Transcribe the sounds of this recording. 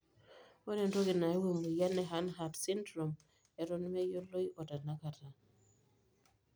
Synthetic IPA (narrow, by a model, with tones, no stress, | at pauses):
ɔ˦ɾɛ˨ndɔ˦ɡɪ˨na˨ɛ˦we˨mu˨ja˦nɛ˨ɦa˦nɦa˨dsi˦ndɾɔ˨m | ɛ˨ɾɔ˦n˦mɛ˦jo˦lo˦i˦ʔɔ˨ta˨na˦ka˨ta˨